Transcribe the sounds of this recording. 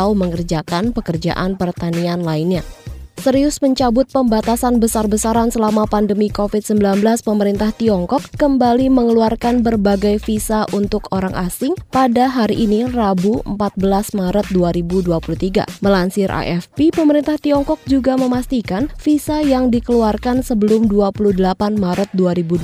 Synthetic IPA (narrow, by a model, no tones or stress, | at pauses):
auməŋərd͡ʒakanpəkərd͡ʒa̰ʔanpərt̪anianlainɲasəɾiʊsməɲt͡ʃabʊt̪̚pəmbat̪asanbəsarbəsaɾansəlamapandəmikofɪt̪̚səmbilanbəlaspəməɾint̪aht̪iɔŋkɔkːəmbaliməŋəluarkanbərbaɡajfisaʔunt̪ʊkoɾaŋʔasɪŋpadaɦaɾiʔːnirabuəmpat̪̚bəlasmaɾət̪̚duaɾibuduapuluht̪iɡa̰məlansɪɾʔa̰ʔɛfpipəməɾint̪aht̪iɔŋkɔk̚d͡ʒuɡaməmast̪ikanfisajaŋdikəluarkansəbəlʊmduapuluhdəlapanmaɾət̪̚duaɾibu